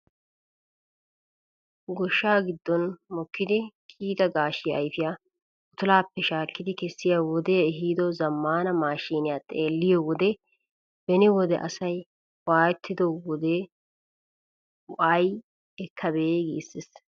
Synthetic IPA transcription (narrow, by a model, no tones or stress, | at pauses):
ɡɔʃːaːɡɪd̪ːɔnmɔkːɪd̪ɪkʰʼiːt̪ɐɡaːʃɪjːjfɪjaː | ʔʊt̪ʊlaːpːɛʃaːkːɪd̪ɪkɛsːɪjawɔd̪ɛɛɦiːd̪ɔzɐmːaːnɐmaːʃiːnɪjaːt̪ʼeːlːɪjɔwɔd̪ɛ | bɛnɪwɔd̪ɛʔɐsɐj | waːjɛt̪ʰːɪd̪ɔwɔd̪e | ʊʔaj | ɛkʰːɐbeːɡiːsːɪs